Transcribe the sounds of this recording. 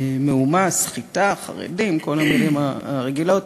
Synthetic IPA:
meumasχitaχa̰ʁḛdimkolamilimaʁeɡila

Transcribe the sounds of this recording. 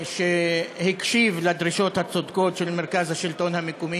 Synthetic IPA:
ʃehikʃivled̪ʁiʃo̞t̪hat͡sod̪ko̞t̪ʃelmeʁkazhaʃilt̪o̞nhamekumi

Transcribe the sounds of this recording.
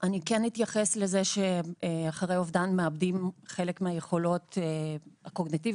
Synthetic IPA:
ʔanikenːitjaχeslezeʃe̞aχaʁejovdanmeabdimχe̞lekmeajeχo̞lo̞teako̞ɡnitiv

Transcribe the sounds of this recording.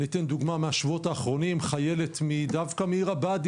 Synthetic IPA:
it̪e̞nd̪uɡmameaʃvotaːχʁo̞nimχaje̞le̞t̪mid̪avkameiʁabad̪

